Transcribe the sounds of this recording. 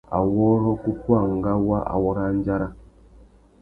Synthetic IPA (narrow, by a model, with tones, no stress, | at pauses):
a̰˨wɔ˦ɾɔ˦ku˦kʷa˦˨ŋ̩˨ɡa˦wa˦ʔa̰˨wɔ˦ɾa˦ɲ˦d͡ʒa˦ɾa˦